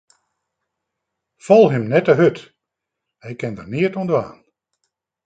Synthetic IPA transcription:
fɔlˠhəmnɛtəɦøt | hɛjkɛndərniətondəa̰ːn

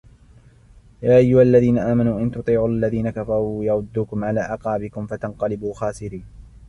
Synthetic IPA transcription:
jaːʔajːʊhaalːaðiːnaʔaːmanuːʔɪnt̪ʊt̪ˤiːʕuːʔalːaðiːnakafɑɾˤuːjɑɾʊd̪ːuːkʊmʕalaːʔɑqɑːbɪkʊmfat̪anqɑlɪbuːxaːsɪɾiːn

